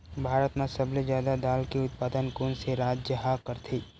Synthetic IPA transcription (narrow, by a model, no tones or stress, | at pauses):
bʱaːɾət̪nasɐblezjaːd̪ad̪aːlkiʊt̪̚paːd̪ənkoːnseɾaːd͡ʒd͡ʒəɦakəɾt̪ʰiː